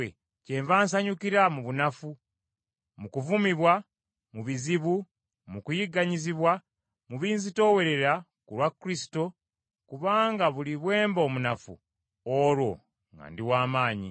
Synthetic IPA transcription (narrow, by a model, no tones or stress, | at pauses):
ḛ | ce̞ːɱvaːnsaɲukiɾamuβunafu | mukuvumiβwa | muβiziβu | mukujiɡaɲiziβwa | muβiːnzito̞ːwe̞ɾe̞ɾa | kulwakːuɾisi̥to̞ | kuβaːŋɡaβuliβwe̞ːmbo̞ːmunafṵ | oɾwo̞ | ŋɡa̰ndiwaːmaːɲḭ